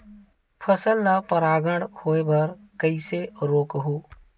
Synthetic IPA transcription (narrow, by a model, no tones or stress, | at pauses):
pʰəsəlːapəɾaːɡəɳɽhoːebəɾ | kəiseɾoːkɦuː